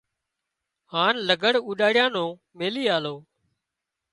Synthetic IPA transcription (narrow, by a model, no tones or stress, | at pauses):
haːnləɡəɽuːɗaːɽɪjãːnõː | meːliːaːloː